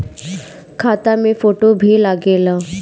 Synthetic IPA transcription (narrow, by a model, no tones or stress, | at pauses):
kʰat̪amefoʈobʱilaɡela